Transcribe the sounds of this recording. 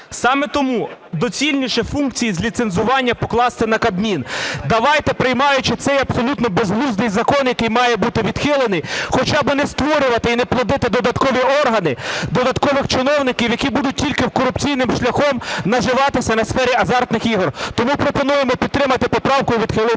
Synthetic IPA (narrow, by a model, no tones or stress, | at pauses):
sɑmɛt̪ɔmud̪ɔt͡sʲilʲnʲiʃɛfunk̚t͡sʲijizʲlʲit̪senzʊʋɑnʲːɐpɔklˠɑst̪ɪnɐkɐd̪mʲind̪ɐʋɑjt̪ɛpɾɪjmɑjʊt͡ʃɪt̪sɛjɐbsɔlʲut̪nɔbezɦlˠuznɪjzɐkɔnjɐkɪjmɑjɛbut̪ɪʋʲid̪̥xɪlˠenɪxɔt͡ʃɑbmɪnɛst̪ʋɔɾʲʊʋɐt̪ɪinɛplˠɐd̪ɪt̪ɪd̪ɔd̪ɐt̪kɔʋʲiɔrɦɐnɪd̪ɔd̪ɐt̪kɔʋɪxt͡ʃɪnɔwnɪkʲiwjɐkʲibud̪ʊt̚ʲtʲilʲkɪwkɔɾʊpt͡sʲijnɪmʃlʲɐxɔmnɐʒɪʋɑt̪ɪsʲɐnɐsfɛɾʲiɐzɑrt̪nɪxiɦrt̪ɔmupɾɔpɔnujemɔpʲid̪̚t̪ːɾɪmɐt̪ɪpɔpɾɑwkʊjʋʲid̪̥xɪlˠɪ